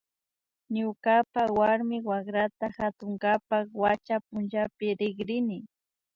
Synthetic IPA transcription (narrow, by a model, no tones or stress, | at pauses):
ɲʊkapawaɾmɪwaχɾat̪axat̪ʊŋɡapakwat͡ʃapʊnʒapɪɾɪɡɾɪnɪ